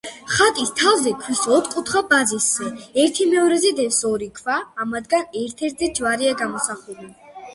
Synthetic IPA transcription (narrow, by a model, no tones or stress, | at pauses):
χat̪ʼist̪ʰavzɛkʰwisɔt̪qʼut̪ʰχabazisːɛɛɾt̪ʰimɛɔɾɛzɛd̪ɛsɔɾikʰvaːmad̪ɡanɛɾt̪ʰɛɾt̪zɛd͡ʒvaɾiaɡamɔsaχuli